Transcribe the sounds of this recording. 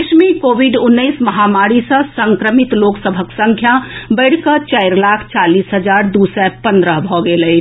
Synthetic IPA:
kʃmikoːʋɪɖʊnːəɪsmɐɦaːmaːɾisɐ̃sə̃ŋkɾəmɪt̪loːksəbʱəksə̃ŋkʰjabəɪɽkət͡ʃaɪɾlaːkʰt͡ʃaːliːsɦɐd͡ʒaːɾd̪uːsɛpɐ̃nd̪ɾəɦbʱoɡelɐi

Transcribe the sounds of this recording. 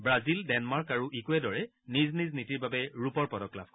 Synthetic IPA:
bɹazildɛnmaɹkaɹuʔikuɛdɔɹɛ | nizniznitiɹbabɛɹupɔɹpɔdɔkla̰b̚kɔ

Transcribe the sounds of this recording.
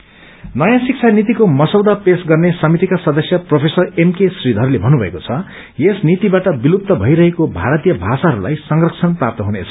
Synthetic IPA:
nʌjãsik̚t͡sʰanit̪ikomʌsʌwd̪apesɡʌrnesʌmit̪ikasʌd̪ʌsjʌpropʰesʌremkesrid̪ʱɦʌɾulebʱʌnubʱʌekot͡sʰʌ | jesnit̪ibaʈʌbilup̚t̪ʌbʱʌiɾʌɦekobʱaɾʌt̪ijʌbʱasaɦʌɾula̰jsʌŋrʌkt͡sʰʌnprap̚t̪ʌɦunḛt͡sʰʌ̥

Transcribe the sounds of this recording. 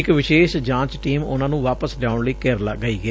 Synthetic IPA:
ɪkʋɪʃeːʃd͡ʒãːt͡ʃʈiːmʊnãːnũːʋaːpəsljaːʊɳləikəɾlɡəiːɡɛː

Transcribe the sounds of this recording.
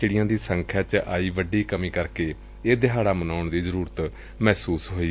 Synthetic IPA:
t͡ʃɪɽɪjãːd̪iːsəŋkʰjaːt͡ʃʔaːiːʋəɖiːkəmĩːkəɾkeː | eːd̪ɪɦaːɽaːmənaːʊɳd̪iːzəɾuːɾət̪ | mɛːsuːsɦoːiː

